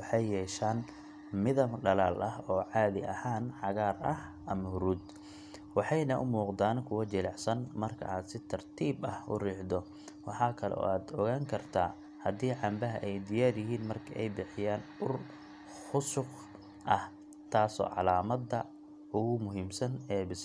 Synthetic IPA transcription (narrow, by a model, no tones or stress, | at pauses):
wɑħɑjːɛːʃaːn | mɪðɐmɖɐlaːlʔɐhɔːʕɑːðɪʔɐhaːnħɑɣaːrɐh | ʔɐmɐhʊɾuːd̪ | wɑħɑjnɐʔʊ̰muːqd̪aːnkʰʊwɐt͡ʃɛlɑħsɐnmɐrkʰɐ̰ʔaːd̪sɪt̪ʰɐrt̪ʰiːbɐhʊ̰riːħd̪ɔ | wɑħɑːkʰɐlɛ̰ʔɔ̰ːaːd̪ɔɣaːŋkʰɐrt̪ʰa̰ː | hɐd̪iːʕɑmbɐɦɐʔɛjd̪ɪjaːrjɪɦiːnmɐrkʰɐʔɛjbɪħɪjaːnʊr | xʊsʊq | ʔɐh | t̪ʰaːsɔ̰ːʕɑ̰laːmɐd̪ːɐ | ʊɣʊmʊɦiːmsɐnɛːbɪs